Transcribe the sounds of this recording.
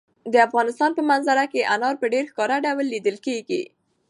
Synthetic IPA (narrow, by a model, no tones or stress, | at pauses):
d̪əafɣɑnɪst̪ɑnpəmanzaɾakeʔanɑɾpəɖeɾxkɑɾaɖawlːid̪əlkeɡḭ